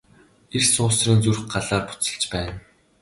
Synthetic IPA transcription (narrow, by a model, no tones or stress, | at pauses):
ersʊːsriːnt͡surχɢaɮaːrpʊ̥t͡sə̥̆ɮt͡ɕpæːn